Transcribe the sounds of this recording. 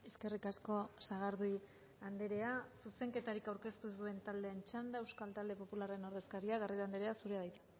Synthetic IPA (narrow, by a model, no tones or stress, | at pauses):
eske̞rikasko̞saɣaɾðuj | and̪eɾe̞asuse̞ŋke̞t̪aɾikawɾke̞st̪usue̞nt̪ald̪e̞ːnt͡ʃand̪aewskalt̪ald̪e̞po̞pulare̞no̞ɾðe̞skaɾiaɣ̞ariðoand̪eɾe̞asuɾeaðajt̪e̥